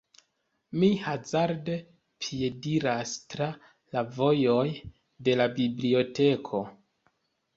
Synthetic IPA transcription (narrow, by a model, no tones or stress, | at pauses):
mihazaɾde | pʰije̞diɾastɾa | lavo̞jo̞j | de̞labiblio̞te̞kʰo̞